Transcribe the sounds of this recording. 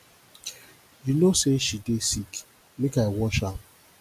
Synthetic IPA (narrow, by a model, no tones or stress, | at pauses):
junoseʃidesik | mekaewɔʃa